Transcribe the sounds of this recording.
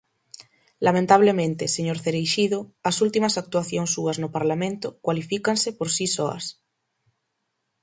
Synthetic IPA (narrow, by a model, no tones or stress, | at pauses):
lamẽnt̪aβ̞lemẽnt̪eseɲoɾθeɾejʃiðoasult̪imasak̚t̪waθjoŋsːuaznopaɾlamẽnt̪okwalifikansepoɾsisoa̰s